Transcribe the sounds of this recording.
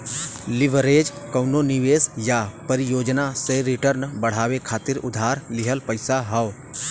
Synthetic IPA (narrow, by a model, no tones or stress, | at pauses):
lɪʋɾeːd͡ʒkəʊnonɪʋeːsjapəɾɪjoːd͡ʒnasẽɾɪʈəɾnbɐɽ̤aːwekʰaːt̪ɪɾʊ̰d̪ʱaːɾlɪɦəlpəɪsaɦɐː